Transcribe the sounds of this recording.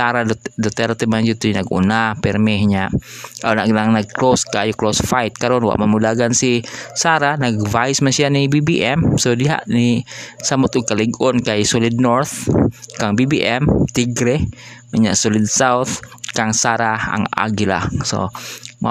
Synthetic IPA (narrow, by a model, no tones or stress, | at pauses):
saɾadɔt̪ɛɾt̪ɛmaɲd͡ʒut̪unaɡṵnapɛrmɛɦɲaʔanaʔɡnaŋnaɡ̚kloskaajuklosfajt̪̚kaɾɔnwa̰ʔmamudaɡansisaɾanaɡvaismasianibibiʔɛmsodiɦa̰ʔnisamʊt̪ukaliɡɔnkaisɔlid̪̚nɔɾt̪kaŋbibiʔɛmt̪iɡɾɛmaɲa̰ʔsɔlid̪sawt̪kaŋsaɾaa̰ŋʔa̰ɡila̰hso̰ma̰